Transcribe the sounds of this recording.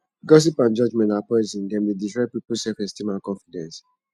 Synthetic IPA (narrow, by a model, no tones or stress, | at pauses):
ɡɔs̬ipãnd͡ʒɔd͡ʒmɛ̃ntapɔzĩndɛ̃mdeditɹapipusɛfɛ̃stimãkɔ̃nfidɛ̃ns